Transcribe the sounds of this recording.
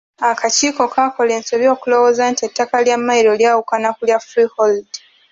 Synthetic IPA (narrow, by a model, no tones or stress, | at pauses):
akʰat͡ʃiːko̞kʰako̞leːnseβjo̞ːkulo̞wozantie̞tːakaljamːaiɾoljaːwukanakuljafɾihold